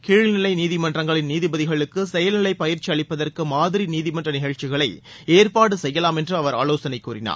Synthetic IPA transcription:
kiːɻɪnɪlɐɪniːðɪmɐndrɐŋɡɐɭɪnniːðɪbɐðɪɣɐɭɯkːɯsɛjɐlnɪlɐɪpːɐjɪɾt͡ʃːiɐɭɪpːɐðɐrkɯmaːðɪɾiniːðɪmɐndrɐnɪɣɐɻt͡ʃːɪɣɐɭɐɪ | eːrpaːɽɯsɛjːɐlaːmɛndrɯɐʋɐɾaːloːsɐnɐɪkːuːɾɪna̰ːɾ

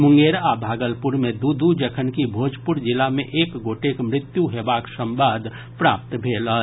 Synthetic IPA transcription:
mʊ̃ŋɡeɾabʱaːɡəlpuɾmed̪ud̪ud͡ʒəkʰənkibʱoːd͡ʒpʊɾd͡ʒɪlamẽʔeːkɡoːʈekmɾɪt̪juɦebaːksə̃mbaːd̪ʱ | pɾaːp̚t̪bʱeːlə

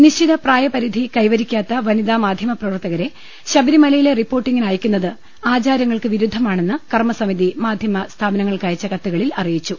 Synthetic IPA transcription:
niid̪ɐpraːjɐpɐɾid̪ʱikɐjʋɐɾikʲːaːt̪ːɐʋɐniðaːmaːd̪ʱjɐmɐprɐʋɐrt̪ːɐɣɐɾe̞ | ɕɐbɐɾimɐlɐjile̞ripːo̞ːrʈːiŋɡinaːjikʲːunːɐðɨ | aːt͡ɕaːɾjɐŋːɐɭkɨʋiɾud̪ʱːɐmaːɳe̞nːɨkɐrmɐsɐmiðimaːd̪ʱjɐmɐst̪ʰaːbɐnɐŋːɐɭkɐjɐt͡ɕːɐkɐt̪ːuɣɐɭilɐrijit͡ɕːu

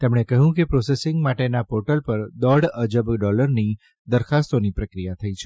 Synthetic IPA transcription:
t̪emɳekəɦũkepɾɔsesɪŋɡmaʈenapoɾʈəlpəɾd̪əɽəd͡ʒəbɖɔləɾni | d̪əɾkʰast̪onipɾəkɾijat̪ʰəit͡ʃʰe

